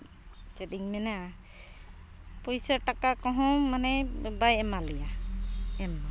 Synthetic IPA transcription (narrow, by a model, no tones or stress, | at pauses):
t͡ʃɛɗiŋmɛna | pojsaɹʈakakɔɦɔ̃manɛɛbajɛmalɛja | ɛma